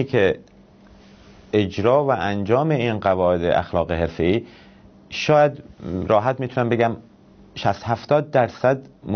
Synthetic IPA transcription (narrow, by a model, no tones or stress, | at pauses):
kʰe | ed͡ʒɾɒːvæʔænd͡ʒɒːme̞iːnɢævɒːe̞d̪ḛʔæ̰xlɒːɣeɦe̞ɾfe̞iː | ʃɒːjæd̪ɾɒːɦæt̪̚miːt̪ʰunæmbe̞ɡæm | ʃæst̪hæft̪ɒːd̪̚ːæɾsæd̪m